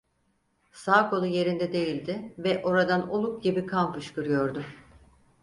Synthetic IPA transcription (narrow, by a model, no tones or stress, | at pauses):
saːkʰo̞lˠuje̞ɾind̪ɛd̪e̞jilʲd̪ɪvɛʔo̞ɾad̪anolˠuk̚ɟibikʰampɯʃkɯɾɯjo̞ɾd̪ʊ